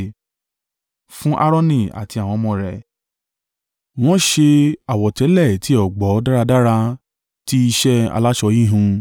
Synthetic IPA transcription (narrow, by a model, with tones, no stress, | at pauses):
fũ˦ʔa˦ɾɔ˦nĩ˦˨a̰˨ti˧a˨w̃ɔ̃˧mɔ̃˧˨ɾɛ˨ | w̃ɔ̃˦ʃe˧a˨wɔ˨tɛ˨˦lɛ˦˨ti˨˦ɔ˦˨ɡ͡bɔ˨˦da˦ɾa˧da˦ɾa˧ | ti˦i˧ʃɛ˦a̰˧la˦ʃɔ˧ji˦ɦũ˧